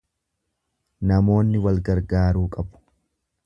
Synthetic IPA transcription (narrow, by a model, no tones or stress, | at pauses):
nɐmo̞ːnːɪwɐlɡɐɾɡaːɾuːkʼɐbʊ̥